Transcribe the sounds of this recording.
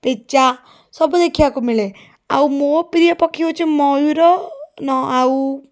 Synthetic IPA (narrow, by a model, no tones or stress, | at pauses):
pet͡ʃa | sɔbud̪ekʰijakumile | a̰umopɾijɔpɔkʰiot͡ʃʰimɔjiɾɔnɔau